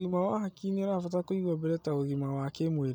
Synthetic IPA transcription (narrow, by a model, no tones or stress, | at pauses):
imawahakiniɛɾafat̬akoiɣɔbɛɾɛtaoɣimawakemweɾ